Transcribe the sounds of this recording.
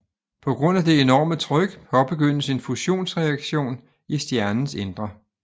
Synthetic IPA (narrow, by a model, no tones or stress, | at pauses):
pʰɒ̽ɡ̥ʁɔ̽n̰æd̥e̝e̝nɒ̰ːmət͡sʰʁœɡ̥hɒ̽b̥e̝ɡ̥øn̰əse̝nfuɕo̝̰ːnsʁɛæɡ̥ɕo̝̰ːn | isd̥jæɐnn̩send̥ʁɐ